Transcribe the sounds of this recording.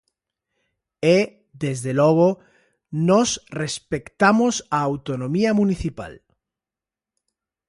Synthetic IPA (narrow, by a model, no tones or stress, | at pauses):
e | ðezðelɔɣ̞o | nɔsrespekt̪amosaːwt̪onõmiamuniθipa̰l